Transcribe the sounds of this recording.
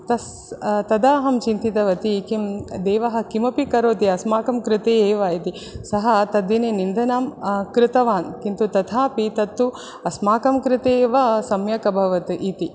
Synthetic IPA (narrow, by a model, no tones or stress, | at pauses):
t̪ɐs | t̪ɐd̪aːɦɐmt͡ʃint̪it̪ɐʋɐt̪ikimd̪eːʋɐɦɐ̆kimɐpikɐɾoːt̪iɐsmaːkɐmkɾɪt̪eːeːʋɐit̪i | sɐɦɐt̪ɐd̪ineːnind̪ʱɐnaːmkɾɪt̪ɐʋaːnkint̪ut̪ɐt̪ʰaːpit̪ɐt̪ːu | ɐsmaːkɐmkɾɪt̪eːʋɐsɐmjɐkɐbʱɐʋɐt̪iʔit̪i